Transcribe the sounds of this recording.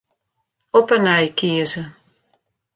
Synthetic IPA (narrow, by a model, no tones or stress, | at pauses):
ɔpənajkiəzə